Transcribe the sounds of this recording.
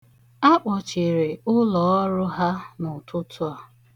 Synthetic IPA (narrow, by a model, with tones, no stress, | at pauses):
a˦k͡pɔ˨t͡ʃi˨ɾe˨ʊ˦lɔ˨˦ɔ˦ɾʊ˦ɦa˦nʊ˨tʰʊ˦tʰʊ˦a˨